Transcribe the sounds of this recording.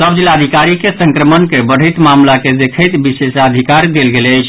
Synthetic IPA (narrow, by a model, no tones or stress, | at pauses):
səbd͡ʒilad̪ʱikaɾikesə̃ŋkɾəmənkebəɽ̤əjt̪mamlaked̪ekʰəjt̪bisesəd̪ʱikaɾd̪elɡeləɪt͡ʃʰ